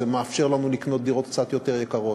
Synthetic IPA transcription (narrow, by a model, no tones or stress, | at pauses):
emeafʃe̞ʁlanulikno̞t̪̚d̪iʁo̞t̪kt͡sat̪jo̞teʁjekaʁo̞